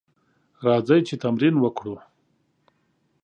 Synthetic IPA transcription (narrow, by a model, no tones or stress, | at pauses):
ɾɑd͡zajt͡ʃet̪amɾinwəkɽu